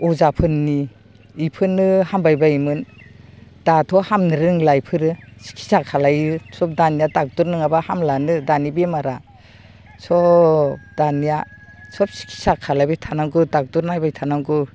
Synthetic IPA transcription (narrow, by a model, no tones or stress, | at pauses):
ɔzapʰɯnːi | ipʰɯnɯhambajbaimɯn | d̥atʰɔhamnɯɾɯŋlajpʰɯɾɯsi̥kʰi̥sakʰalajɯsɔp̚danijatak̚duɾnɯŋabahamlanɯdanibemaɾa | sɔ | d̥anija | sɔp̚si̥kʰi̥sakʰalajbetʰanaŋɡɯdak̚duɾnajbajtʰanaŋɡɯ